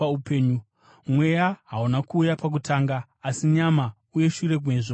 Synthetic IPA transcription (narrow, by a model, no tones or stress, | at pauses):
aupe̞ːɲu | mwe̞jaɦaunakuːjapak̬utʰaːŋɡaː | siɲama | uje̞ʃure̞k̬weʐo